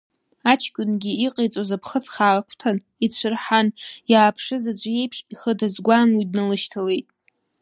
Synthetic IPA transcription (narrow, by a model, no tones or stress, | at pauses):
at͡ʃʰkʲʷʼʊnɡʲiiqʼejt͡sʼozapʰχət͡sʰχaːkʷʰtʰan | it͡ɕʷʰɨrħanjaːpʰʂɨzad͡ʒʷje̞jpʰʂiχədazɡʷanwidnɨlɨʃtʰale̞jtʼ